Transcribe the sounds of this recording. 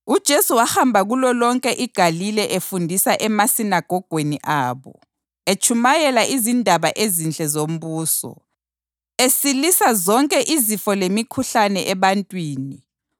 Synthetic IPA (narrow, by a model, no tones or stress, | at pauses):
ud̥ʒ̥ʱesuwahambʱaɣulɔlɔŋkʼɛʔiɡ̥ʱalilɛʔefundʱisaʔɛmasinaɡ̥ʱɔɡ̥ʱweniʔaːβɔ̰ | et͡ʃʰʼumajɛlaʔizindʱaβaʔezint͡ɬʼɛzom̩βuːsɔ̰ | esilisazɔŋkʼɛʔizifɔlemikʰuɬanɛʔɛβantʼwiːni